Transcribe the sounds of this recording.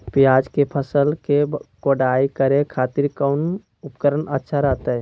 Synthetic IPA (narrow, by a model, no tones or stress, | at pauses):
pjaːd͡ʒkepʰəsəlkekoɖaikəɾekʰaːt̪iɾkən | upkəɾənətːʃʰaɾat̪ə